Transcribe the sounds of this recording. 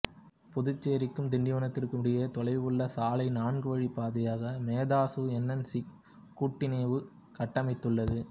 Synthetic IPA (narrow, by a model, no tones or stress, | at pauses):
pʊðʊt͡ʃːeːɾɪkːɯmd̪ɪɳɖɪʋɐnɐt̪ːɪrkɯɽɪjɐt̪ɔlɐɪʋɯɭːɐsaːlɐɪnaːɳɡɯʋɐɻipaːðɐjaːɣɐmeːðaːsɯɛnːɐnsi | kːuːʈːɪneːʋɯ | kɐʈːɐmɪt̪ːɯɭːɐðɯ